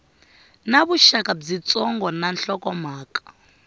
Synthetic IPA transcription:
naβuʃakab͡ʐit͡sʼɔŋɡɔnanɬɔkɔmaːkʼḁ

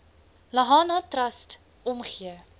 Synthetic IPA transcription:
lɐɦɑːnɑːtrɐst | ʔɔmχiə

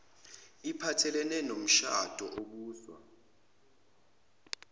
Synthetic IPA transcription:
ipʰatʰɛlɛnɛnom̩ʃa̰d̥ʱɔʔok̬uːswa̰

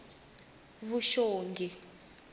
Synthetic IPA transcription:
βuʃoːŋɡʱi

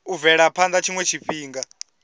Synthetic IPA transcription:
uvɛɺapʰand̪at͡ʃʰiŋwɛt͡ʃʰiɸiːŋɡa

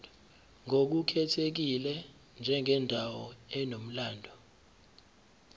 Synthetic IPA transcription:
ŋok̬ukʰɛtʰek̬ilɛ | nd͡ʒʱɛŋɛndʱawɔɛnom̩laːndʱɔ

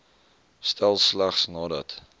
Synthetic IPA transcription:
stælˠslæχsnɑːdət

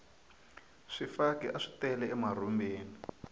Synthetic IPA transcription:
ʂifakiʔaʂi̥tɛlɛɛmar̤umbeːni

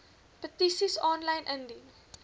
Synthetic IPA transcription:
pətisisɔnlɐjnʔəndi

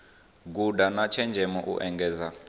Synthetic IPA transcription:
ɡudanat͡ʃʰɛnd͡ʒʱɛmɔʔṵʔɛŋɡɛːza

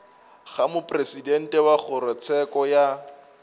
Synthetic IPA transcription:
χamʊpʼresidɛn̩tʼɛwaχʊɾɔt͡sʰɛkɔja

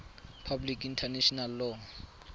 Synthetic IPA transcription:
pʰablikintʰaneʃɔnalːɔŋ

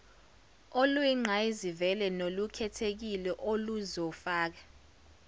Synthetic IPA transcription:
olwiŋ͡ǃʱaizivɛlɛnolukʰɛtʰek̬ilɛʔoluzɔfaːk̬ḁ

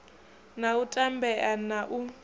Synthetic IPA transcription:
nautʼambɛʔanaʔu

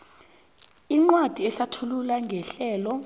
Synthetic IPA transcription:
iŋ͡ǃwad̥ʱiɛɬatʰululaŋɡʱɛɬɛːlɔ

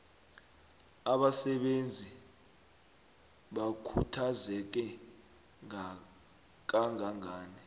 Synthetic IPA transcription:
aɓasɛɓend͡zʱi | ɓakʰṵtʰazɛk̬ɛ | ŋa | k̬ʼaŋʱaŋaːnɛ

